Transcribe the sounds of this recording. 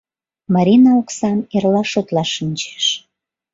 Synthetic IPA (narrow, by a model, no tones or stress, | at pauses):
mɑɾʲinɑoksɑnerlɑʃot̪lɑʃːinʲt͡ɕe̥ʃ